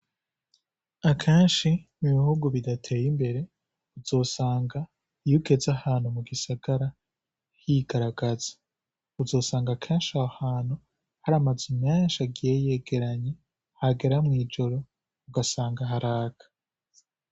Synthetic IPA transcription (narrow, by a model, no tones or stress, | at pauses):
akʰeːnʃiniβihuɡuβidatʰe̞ːjimbe̞ɾe̞ | uzo̞ːsaːŋɡa | ijuɡe̞zahaːnhumuɡisaɡ̥aɾa | hjiɡ̥aɾaɡaz̥ḁ | uzo̞ːsaːŋɡakʰeːnʃahaːn̥u | haɾamazimɲeːnʃaɡijejeɡe̞ɾaɲe | haɡe̞ɾamŋiːd͡ʒo̞ɾo̞ | uɡasaːŋɡaɦaɾaːkʰḁ